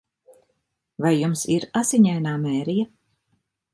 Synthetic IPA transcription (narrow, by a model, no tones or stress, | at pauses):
vajːumsiɾasiɲɛjnaːmɛːɾija